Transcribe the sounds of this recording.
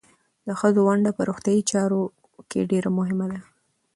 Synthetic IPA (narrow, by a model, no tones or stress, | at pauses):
d̪əxəzowaɳɖapəɾoxt̪jɑit͡ʃɑɾo | kʰḛɖeɾamʊɦɪmad̪a